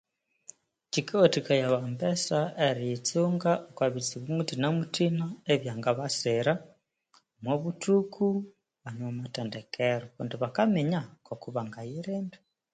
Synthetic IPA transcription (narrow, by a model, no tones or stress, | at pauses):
t͡ʃikaotikajaβambesaeɾijit͡suːŋɡaʔokwaβit͡siβumutinamutinaeβjaːŋɡaβaseɾa | mwoβutʰukʰu | βanamatendekʰeɾoβondiβakameɲakokuβaŋɡajiɾeːmbi